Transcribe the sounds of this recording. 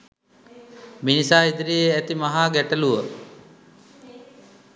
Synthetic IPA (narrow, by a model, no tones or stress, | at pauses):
minisaːid̪ɾijeæt̪imaɦaːɡæʈəluʋə